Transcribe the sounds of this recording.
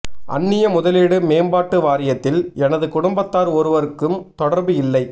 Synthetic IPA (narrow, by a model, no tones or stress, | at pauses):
ʔɐ̰nːɪjɐmʊðɐlɪɽɯmeːmbaːʈːɯʋaːɾɪjɐt̪ːɪlɛnɐðɯkʊɽʊmbɐt̪ːaːɾɔɾɯʋɐɾɯkːɯmt̪ɔɽɐɾbɯɪlːɐɪ